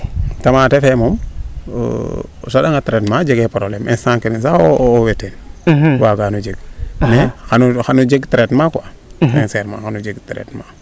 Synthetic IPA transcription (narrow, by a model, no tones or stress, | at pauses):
tamaːtefemom̰ | saɗaŋatɾetmad͡ʒeɡepɾoblemʔɛnsaŋkininsaowetenwaɡanud͡ʒeɡ̚nɛxanuxanud͡ʒeɡtɾetmakwa | enseɾma̰xanud͡ʒeɡtɾḛtma